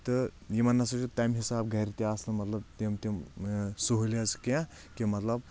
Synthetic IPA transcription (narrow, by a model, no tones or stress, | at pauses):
t̪ɨjimɐnːɐsɐt͡ʃut̪ajmɦisaːbɡʱɐɾit̪iaːslɐmɐt̪lɐb̚t̪imt̪imsuɦuliɐskã | kimɐt̪lɐb